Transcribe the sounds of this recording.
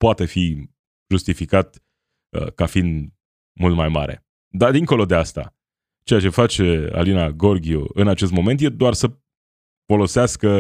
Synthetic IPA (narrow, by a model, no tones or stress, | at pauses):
poat̪e̞fi | ʒust̪ifikat̪ | ə̰kafind̪ | mult̪majma̰ɾe̞̰ | d̪ad̪iŋko̞lo̞d̪e̞ast̪a̰ | t͡ʃe̞jat͡ʃe̞fat͡ʃe̞a̰linaɡo̞rɡʲio̰ɨnat͡ʃe̞st̪mo̞me̞nt̪jed̪oarsə | fo̞lo̞seaskə